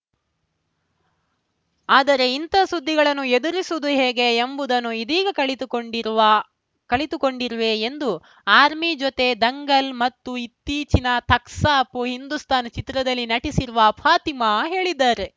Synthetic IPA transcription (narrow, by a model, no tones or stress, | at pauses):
aːd̪ɐɾe̞int̪ɐsud̪ʱːiɡɐɭɐnːued̪uɾisud̪uɦeːɡe̞ːmbud̪ɐnːuid̪iːɡɐkɐɭit̪oɖiɾ | kɐɭit̪uko̞ɳɖiɾʋe̞ːnd̪u | aːɾmid͡ʒot̪e̞d̪ɐŋɡɐlmɐt̪ːuit̪ːiːt͡ʃinɐt̪ɐksaɐpːuɦind̪ust̪aːnɐt͡ʃit̪ɾɐd̪ɐlːinɐʈisiɾuʋɐːpʰaːt̪imaɦe̞ːɭid̪ːaːɾe̞